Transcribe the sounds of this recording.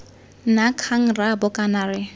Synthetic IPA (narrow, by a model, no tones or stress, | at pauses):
nakʰaŋ̩rabʊkʼanarɪ